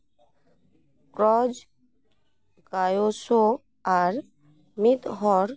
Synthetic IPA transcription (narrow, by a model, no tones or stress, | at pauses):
kɾɔd͡ʒ | ɡajoso | aɾ | mit̪ɦɔɾ